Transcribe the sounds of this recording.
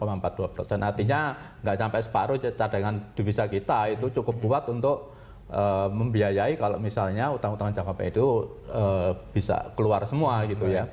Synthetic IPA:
kəmampat̪̚d̥uapə̰rsɛnʔart̪iɲa | ŋɡaʔsampɛsə̥pa̰ɾʊd͡ʒat͡ʃadaŋand̥i̤bisakit̪ait̪ut͡ʃukʊp̚kuwat̪unt̪ʊʔ | əːməmbiajaikalo̰ʔmisalɲaut̪aŋut̪aŋd͡ʒakapa̰it̪u | əːb̥isa̰kəluarsəmuaɡit̪uja

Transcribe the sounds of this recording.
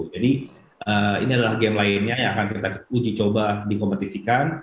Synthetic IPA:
d͡ʒadi | ʔəḭniadalahɡɛmlaɪnɲajaŋakankit̪aud͡ʒit͡ʃobadikompət̪isikan

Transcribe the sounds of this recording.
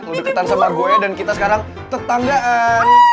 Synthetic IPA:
t̪udɪkət̪ansəmaɡoɛdankit̪asəkaɾaŋ | t̪ət̪aŋɡaʔə

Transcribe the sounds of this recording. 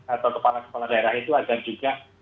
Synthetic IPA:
at̪awkəpalasə̥kolahdaeɾahit̪uaɡaʔd͡ʒuɡa

